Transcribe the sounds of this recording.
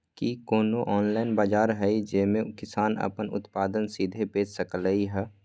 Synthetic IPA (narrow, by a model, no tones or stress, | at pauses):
kikoːnoʔɔːnlaːɪnbaːd͡ʒaːɾɦɛid͡ʒeːmẽkɪsaːnə̰pənʊ̰t̪paːd̪ənsiːd̪ʱepeːd͡ʒsəkələiɦɛː